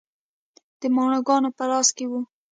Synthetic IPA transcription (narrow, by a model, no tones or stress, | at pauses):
d̪̥əmɑɳoɡɑnopəlɑskewu